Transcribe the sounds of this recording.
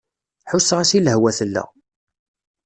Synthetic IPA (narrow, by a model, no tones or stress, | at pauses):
ħusːʁæsiləɦwæθəlːæ̰